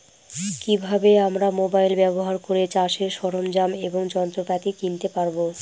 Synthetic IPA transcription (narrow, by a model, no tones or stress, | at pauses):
kibʱabeamɾamobajlbɛboɦaɾkoɾet͡ɕaʃeʃɔɾomd͡ʑameboŋd͡ʑɔnt̪ɾokat̪ikint̪epaɾbo